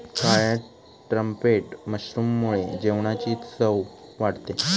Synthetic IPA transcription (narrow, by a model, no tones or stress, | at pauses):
kajə | ʈɾəmpeʈməɕɾuːmːuɭed͡ʑeʋɳat͡ɕiːsəwʋaɽt̪e